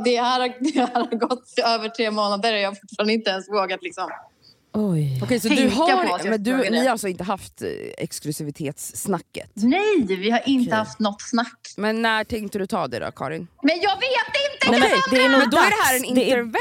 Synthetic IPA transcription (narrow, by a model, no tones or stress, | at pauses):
d̪ɛhæːɾhad̪ɛhæɾhaɾɡɔt̪ːɪøːvəʈʰɾeːmoːnad̪əɾɔjɑːɡfʊ̥ʈfɑɾnɪnt̪əɛnsvoːɡat̪lɪksɔm | ɔjɔkʰɛjsɔɛd̪ɵɦaɾmɛnd̪ɵɪhaɾalsɔɪnt̪əɦaft̪ɛ̰ksklʉsɪvɪt̪ʰeːt̪sːnakːə̰t̪nɛjvɪhaɾʔɪnt̪əhaft̪nɔt̪ːsnakːmɛnːæːʈʰɛŋkt̪ədɵt̪ʰɑːd̪ɛ̰d̪ɔ̰kʰɑ̰ːɾɪnmɛnjɑːɡveːt̪ːɪnt̪ːəɛɛd̪ɛd̪ɔæɖɛɦæːɾɛnɪnəɾv